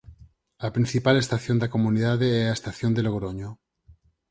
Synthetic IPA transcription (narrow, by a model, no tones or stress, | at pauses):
apɾin̟θipale̞st̪aθjo̞nd̪akomuniðaðeeaest̪aθjond̪eloɣ̞ɾoɲo